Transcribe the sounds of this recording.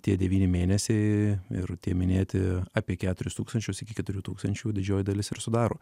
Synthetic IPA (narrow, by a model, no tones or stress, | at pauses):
t̪ʲiɛd̪ʲɛʋʲiːnʲɪmʲeːnʲɛsʲɛɪɪ̰ɾt̪ʲiɛmʲɪnʲeːt̪ʲɪɑːpʲiɛkʲæːt̪ʊɾʲʊst̪uːkst̪ɐnʲt͡ʃʲʊsɪkʲɪkʲɛt̪ʊɾʲuːt̪uːkst̪ɐnʲt͡ʃʲuːdʲɪd͡ʒʲoːjɪd̪ɐlʲɪsɪɾsʊd̪ɑːɾoː